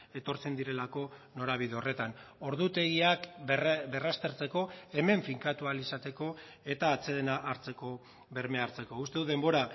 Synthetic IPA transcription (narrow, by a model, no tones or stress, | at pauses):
e̞t̪o̞ɾt͡se̞nd̪iɾe̞lako̞no̞ɾaβ̞iðeo̞re̞t̪ano̞ɾðut̪e̞ɣiakbe̞rast̪e̞ɾt͡seko̞e̞me̞ɱfiŋkat̪ualisat̪e̞ko̞ | e̞t̪aːt͡se̞ðenaʔːɾt͡se̞ko̞ | βe̞ɾme̞aɾt͡se̞ko̞ust̪e̞ðuð̞embo̞ɾa